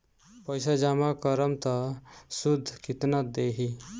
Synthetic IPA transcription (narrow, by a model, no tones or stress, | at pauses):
pəɪsad͡ʒamakəɾəmt̪ɔsud̪ʱːkit̪nət̪̚d̪eɦi